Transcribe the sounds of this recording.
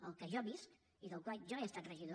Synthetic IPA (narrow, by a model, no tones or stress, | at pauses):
əlˠkəʒɔβisk | iðəlˠkwalʒɔeəst̪at̪rəʒiðo